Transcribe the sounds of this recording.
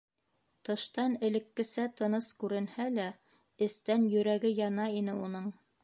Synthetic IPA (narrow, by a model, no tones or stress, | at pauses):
t̪ɤ̆ʃt̪ɑnɘ̆lɘ̆kːɘ̆sæt̪ɤ̆nɤskʉɾɘ̆nhælæ | ɘ̆st̪ænjɵ̆ɾæɡɘjɑnɑinɘunɤɴ